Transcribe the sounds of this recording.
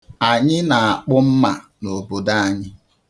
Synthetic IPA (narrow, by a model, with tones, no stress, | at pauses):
a˨ɲɪ˦na˨a˨k͡pʊ˦m̩˦ma˨no˨bo˨da˦a˦ɲɪ˦